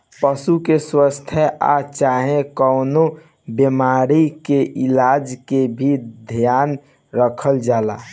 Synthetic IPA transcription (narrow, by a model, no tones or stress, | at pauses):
pəsukeswəst̪ʰjəa̰t͡ʃaːɦẽkəʊno | bjəmaɾikeʔɪlaːd͡ʒkebʱid̪ʱjaːn | ɾəkʰəld͡ʒaːla̰